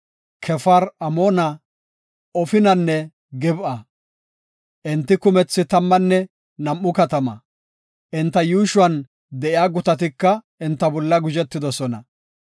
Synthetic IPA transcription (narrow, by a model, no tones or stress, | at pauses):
kʰɛfɐɾɐmoːnɐ | ɔfɪnɐnːɛ | ɡɛbʔɐ | ʔɪnt̪ːɪkʊmɛt͡sːɪt̪ɐmːɐnːɛ | nɐmːʊkɐt̪ɐmɐ | ʔɪnt̪ːɐjuːʃʊwɐn | d̪ɛʔɪaːɡʊt̪ɐt̪ɪkːɐ | ɪnt̪ːɐbɔlːɐɡʊd͡ʒɛt̪ːɪd̪ɔsɔnɐ̰